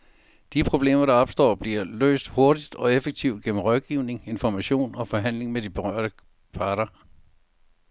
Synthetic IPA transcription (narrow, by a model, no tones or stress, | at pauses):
d̥ipʰʁo̝b̥le̝̰ːmɐɾɑ̈ɒ̽b̥sd̥ɒ̰ːb̥liɐlø̰ːsd̥ho̝ɐd̥id̥ɒ̽efeɡ̥̚t͡sʰiʊd̥ɡ̥enm̩ʁɒðɡ̥iʊne̝ŋe̝nfɒmæɕo̝̰ːnɒ̽fɒ̽ɦæn̰le̝ŋmed̥ib̥e̝ʁɶɐ̰ɾ̥ə | pʰɑ̈ːɾ̥ɐ